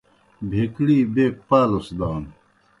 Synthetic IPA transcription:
bʱekɽiːbeːk̚paːlosd̪aːn

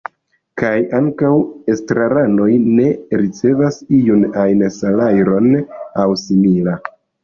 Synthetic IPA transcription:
kajaŋkawestɾaɾano̞jne̞ɾit͡se̞vasijunajnsalajɾo̞nawsimila

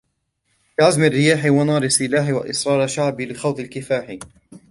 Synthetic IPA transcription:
bɪʕazmɪrːɪjaːħɪwɑnɑːɾˤɪsːɪlaːħɪwa̰ʔɪsɾˤɑːɾˤaʃaʕbɪlɪxawθˤɪlkɪfaːħɪ

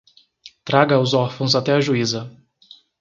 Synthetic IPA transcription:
t̪ɾaɡɐʊzɔɾfõw̃zat̪ɛɐʒuizɐ

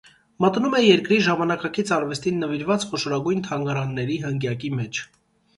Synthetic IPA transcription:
mət̪numɛjɛɾkɾiʒɑmɑnɑkɑkit͡sʰɑɾvɛst̪inːəviɾvɑt͡sχɔʃɔɾɑɡujnt̪ʰɑŋɡɑɾɑnːɛɾiɦəŋɡjɑkimɛt͡ʃʰ

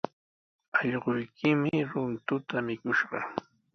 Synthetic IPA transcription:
ɑʎɢʊjkʰɪmɪɾʊnt̪ʊt̪amɪkʊʃɢɑ

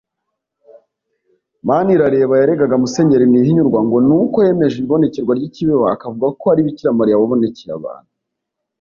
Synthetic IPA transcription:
maniɾaɾe̞βajaɾe̞ɡaɡamuse̞ɲe̞ɾimniɦiɲuɾɡwaŋɡo̞nukoje̞me̞ʒiiβo̞ne̞ceɾɡwaɾɟiciβewaakavuɡako̞aɾiβiciɾamaɾiaβaβo̞ne̞ceɾa̰βa̰ːn̥hu

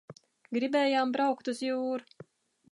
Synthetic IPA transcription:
ɡɾibɛːjaːmbɾawkt̪usjuːɾ

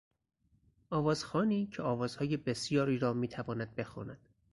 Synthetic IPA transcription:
ʔɒːvɒːz̥xɒːniːcʰeɒːvɒːz̥hɒːje̞be̞sjɒːɾiːɾɒːmiːt̪ʰævɒːnæd̪̚be̞xṵːnæd̪̥

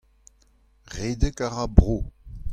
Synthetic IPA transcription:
ʁeːdəkaʁabʁoː

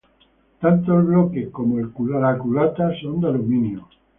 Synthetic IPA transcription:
t̪ant̪oelβlokehkomoelkulalakulat̪asond̪alumĩnjo

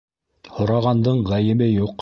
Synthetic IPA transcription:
hŏɾɑʁɑnd̪ɤɴʁæjɘ̆bɘjuq

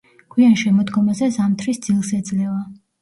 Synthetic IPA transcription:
ɡ̥wianʃɛmɔd̪ɡɔmazɛzamt̪ʰɾisd̪z̥ilˠsɛd̪zlɛva

